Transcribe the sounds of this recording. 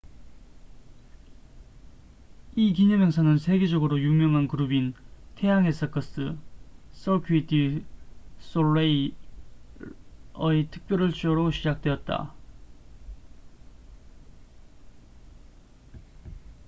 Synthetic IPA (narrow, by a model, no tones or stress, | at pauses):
ik̬iɲʌmjʌŋsʰanɯnsʰe̞ɡe̞d͡ʑʌɡɯɾojuŋmjʌŋɦankɯɾubintʰe̞jaŋe̞sʰʌk͈ʰʌs͈ɯs͈ʌkʰuitʰi | s͈oɭei | ʌitʰɯ̥k̚p͈jʌɾɯɭt͡ɕ͈ʌɾoɕʰid͡ʑak̚t͈we̞ʌt̚t͈a̰